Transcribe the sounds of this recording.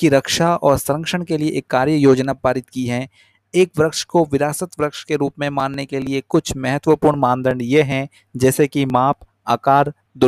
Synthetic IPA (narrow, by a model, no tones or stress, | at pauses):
kiɾɐkʃaɔːɾsɾə̃ŋkʃəɽ̃kelieʔeːkːaːɾjəjoːd͡ʒnapaːɾɪt̪kiɦɛ | eːkʋɾəkʃkoʋɪɾaːsət̪ʋɾəkʃkeɾuːpmẽmaːnːekeliekʊt͡ʃʰmɛɦət̪ʋəpuːɾɳmãːnd̪əɳɖjeɦɛ̃ | d͡ʒɛːsekimaːp | aːkaːɾ | d̪ʊ